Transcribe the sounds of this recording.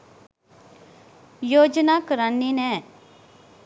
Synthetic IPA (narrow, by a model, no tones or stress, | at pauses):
joːd͡ʒnaːkəɾanːiːnɛ̃ː